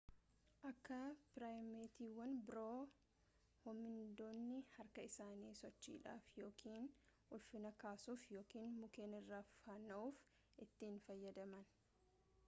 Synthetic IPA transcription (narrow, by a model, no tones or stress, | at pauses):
ʔɐkːɐpɪɾaːjmeːt̪iːwːɐnbɪɾoː | hʊmːɪnd̪oːnːɪhɐɾkɐɪsaːniːsɔt͡ʃːḭːᶑa̰ːfjo̞ːkʰiːn | ʊlfɪnɐkaːsuːfjo̞ːkiːnmʊkeːnɪrːaːfɐnɐʔuːf | ʔɪt̪ːiːnfɐjːɐd̪ɐmɐn